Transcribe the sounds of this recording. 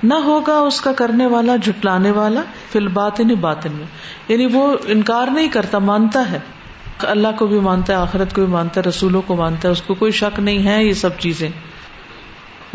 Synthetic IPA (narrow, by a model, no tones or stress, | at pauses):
nɐɦoːɡaʊskakɐɾneʋaːlad͡ʒʱʊʈlaːneʋaːla | fʰɪlbaːt̪ɪnẽbaːt̪ɪnmẽ | jaːnĩʋoɪnkaːɾnɐɦĩkɐɾt̪amaːnt̪aɦɛː | ɐlːaɦkobʱimãːnt̪aɦɛaːxɪɾət̪kobʱimãːnt̪aɦɛɾɐsuːlõkomãːnt̪aɦɛʊskokoːiʃɐknɐɦĩɦɛjesɐb̚t͡ʃiːzẽː